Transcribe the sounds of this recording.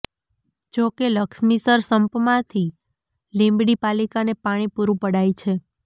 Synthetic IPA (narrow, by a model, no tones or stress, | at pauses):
d͡ʒokeləksmisəɾsəmpmãt̪ʰi | lẽmbɽipalikanepaɽ̃ipuɾũpəɽait͡ʃʰe